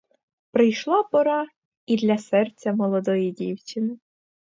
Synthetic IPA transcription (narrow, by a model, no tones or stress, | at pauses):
pɾɪjʃlˠɑpɔɾɑ | id̪lʲɐsɛrt͡sʲːɐmɔlˠɔd̪ɔjidʲiwt͡ʃɪnɪ